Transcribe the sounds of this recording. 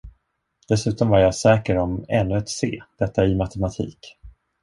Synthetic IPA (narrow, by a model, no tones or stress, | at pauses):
d̪̥ɛsʉ̟ːt̪ɔmvaɾjasɛːkəɾɔmɛnːɵɛt̪sḛːd̪̥ɛt̪ːaɪmat̪ʰɛmat̪ʰḭːk